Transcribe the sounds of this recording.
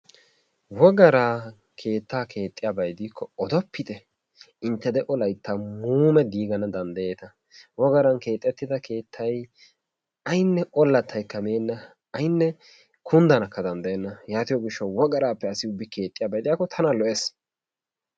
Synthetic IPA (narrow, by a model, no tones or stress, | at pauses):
wɔɡɐɾaː | kʰe̞ːt̪ːaːkʰe̞ːt̪ʼːɪjaːbɐjd̪iːkʰːɔɔd̪ɔpːɪt̪ɛ | ɪnt̪ːɛd̪ɛʔɔlɐjt̪ːamuːmɛd̪iːɡɐnɐd̪ɐnd̪ɐje̞ːt̪ɐ | wɔɡɐɾɐnke̞ːt̪ʼːɛt̪ːɪd̪ɐkʰe̞ːt̪ʰːɐj | ɐjnːɛʔɔlːɐt̪ːɐjkːɐmeːnːɐ | ɐjnːɛ | kʰʊnd̪ɐnɐkːɐd̪ɐnd̪ɐjɛnːɐjaːt̪ɪjɔɡɪʃːɐwwɔɡɐɾaːpːɛɐsɪʊbːɪkʰe̞ːt̪ʼːɪjaːbɐjd̪ɪjaːkːɔt̪ʰɐnalɔʔes